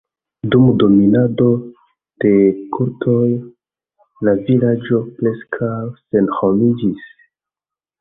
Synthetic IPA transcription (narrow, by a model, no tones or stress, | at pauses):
dumdo̞minado̞ | d̥e̞kʰuɾtʰo̞j | lavilad͡ʒo̞ple̞skʰawse̞nhomid͡ʒis